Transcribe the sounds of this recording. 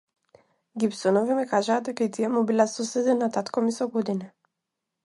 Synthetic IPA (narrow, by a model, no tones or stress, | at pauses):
ɡipsɔnɔvimikaʒaːd̪̚ɛkait̪ijɛmubilasɔsɛd̪inat̪at̪kɔmisɔɡɔd̪ina